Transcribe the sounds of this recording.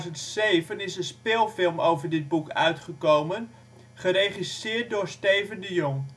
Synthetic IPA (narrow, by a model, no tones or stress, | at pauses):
zəntsejvənɪsənspɪːlˠfɪlˠmowvərdɪd̚bukʰœ̰ɥtχəkowmən | χəɾeːχisɪːrt̚dʊːrstejvəndəjoŋ